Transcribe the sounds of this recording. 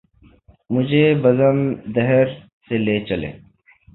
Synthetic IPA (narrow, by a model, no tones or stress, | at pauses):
mʊd͡ʑʱebɐzənd̪ɐɦeɾ | seleːt͡ʃɐlḛː